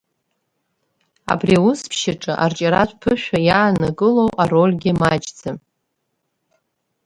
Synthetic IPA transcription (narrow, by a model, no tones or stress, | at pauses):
a̰briʊspʰʃaʈ͡ʂʼɨʔart͡ʃʼaɾatʷʰʼpʰɨʃᶣajaːnaɡʼɨlo̞wʔaro̞lʲɡʲɪmad͡ʒʼd͡zam